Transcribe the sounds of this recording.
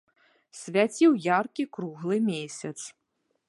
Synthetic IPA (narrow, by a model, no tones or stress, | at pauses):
sʲvʲat͡sʲiwjarkʲikɾuɣlˠɨmʲesʲɐt̪s